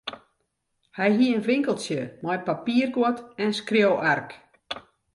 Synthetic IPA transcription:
hɛjɦiəənʋɪŋkəlˠsjəmɔjpapiːərɡwɔtɛnskrjowʔark

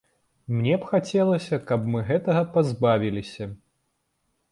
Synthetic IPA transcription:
mnʲɛpxat͡sʲɛlˠɐsʲɐkɐpmɨɣɛt̪ɐɣɐpazbavʲilʲisʲɐ

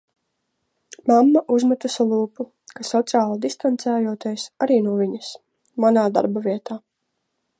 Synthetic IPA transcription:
mamːaʔuzmat̪usɔlˠuːpu | kasɔt̪sʲiaːlˠad̪ist̪ant̪sæːjuɔt̪ijsaɾiːnuɔvʲiɲɐs | manaːd̪a̰ɾbɔvʲiɛt̪aː

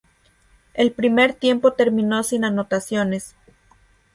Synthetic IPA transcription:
e̞lpɾime̞ɾt̪je̞mpo̞t̪e̞ɾmĩno̞sinano̞t̪asjo̞ne̞s

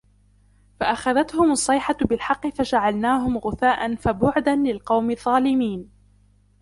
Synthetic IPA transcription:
faʔaxaðat̪hʊmɑsˤːɑjħabɪlħɑqːɨfad͡ʒaʕalnaːɦʊmɣʊθaːʔanfabʊʕd̪anlɪlqɑwmɪðˤːɑːlɪmiːn

